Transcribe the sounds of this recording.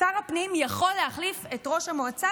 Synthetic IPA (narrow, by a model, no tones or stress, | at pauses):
aʁapnimjaχo̞lːeaχlifetʁo̞ʃamoat͡sa